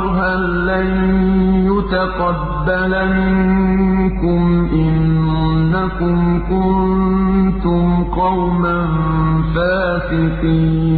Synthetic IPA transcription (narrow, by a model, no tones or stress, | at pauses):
ɦa | lːanjʊt̪aqɑbːalamɪnkʊmʔɪnnːakʊmkʊnnt̪ʊmqɑwman | faː | sɪqiː